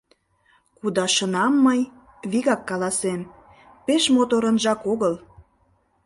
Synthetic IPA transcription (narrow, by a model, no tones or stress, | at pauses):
kud̪ɑʃənɑmːəj | βiɣɑkːɑlɑsem | peʃmot̪oɾə̆nʒɑkoɣəl